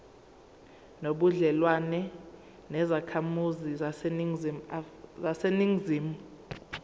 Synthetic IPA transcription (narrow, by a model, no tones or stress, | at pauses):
noɓuɮɛlwanɛ | nɛzakʰamuzi | zaseniŋziːmuu